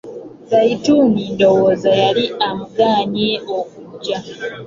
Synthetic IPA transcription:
zaitumiːndo̞woːzajaliamuɡaːɲeokuɟːa

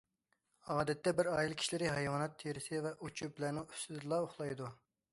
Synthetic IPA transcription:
ɑːd̪ɛt̪ːɛbɪɾɑːjilˠkʲʰi̥ʃilɪɾɪɦɑjwɑnɑt̪ʰːeɾɪsɪvɛʔut͡ʃʰub̚blæɾnɪŋy̥st̪ɪd̪ɨlˠɑoχlˠɑjd̪u

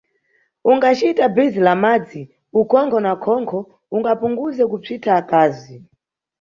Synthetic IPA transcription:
uŋɡat͡ʃitabizilamad͡zi | ukɔŋkʰɔnakʰɔŋkʰɔ | uŋɡapuŋɡuzɛkub͡ʐitʰaːkaːzi

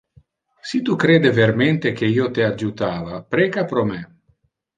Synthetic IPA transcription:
sit̪ukɾeːd̪eveɾment̪ekeiːot̪ead͡ʒut̪aːvapɾekapɾome

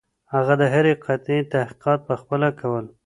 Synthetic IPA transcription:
haɣad̪əɦaɾeqʰat̪et̪ahqi̥qɑt̪̚pəxpəlakʰawəl

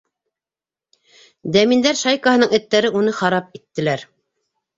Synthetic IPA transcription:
d̪æmind̪æɾʃɑjkəhɤ̆nɤŋɘ̆t̪ːæɾɘunɤχɑɾɑp̚it̪ːɘ̆læɾ

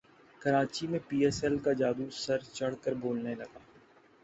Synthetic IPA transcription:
kɐɾaːt͡ʃimẽpiːɛːsɛlkad͡ʒaːd̪usɐɾt͡ʃɐɽ̤kəɾboːlnelɐɡaː

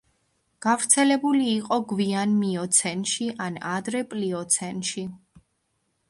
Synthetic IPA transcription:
ɡ̥avɾt̪sʰɛlɛbuliːqʼɔɡvianmiɔt̪sʰɛnʃiʔanad̪ɾɛpʼliɔt̪sʰɛnʃi

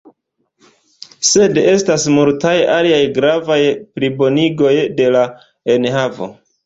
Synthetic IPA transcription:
se̞de̞stasmultaja̰liajɡɾavajplibo̞niɡo̞jde̞la | e̞nhavo̞̰

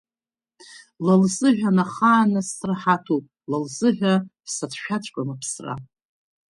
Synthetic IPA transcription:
lalzɨʒᶣanaχaːnasrħatʰupʼ | lalzɨʒʷᶣa | satʰʃᶣat͡ʃʷʰʼkʷʼamapʰsra̰

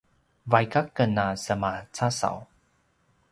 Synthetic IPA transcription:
vajkakənasəmat͡sasa̰w

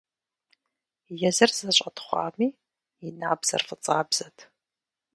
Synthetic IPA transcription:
jɛzɐrzɐɕʼɐtχʷɑ̰ːmiː | inaːbz̥ɐ̰rfɨt͡sʼaːbzɐtʰ

